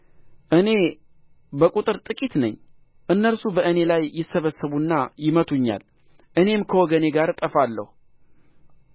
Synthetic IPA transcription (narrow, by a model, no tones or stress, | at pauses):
ʔɨne̞ | bəkʼut̪ʼɨɾt̪ʼɨkʼit̪nə̰ɲː | ʔɨnːəɾsubəʔɨne̞lajːɪsːəβəsːəβunːajɪmət̪ʰuɲːa̰l | ʔɨne̞mkʰəwɔɡəne̞ɡaɾt̪ʼəfalːə̰hu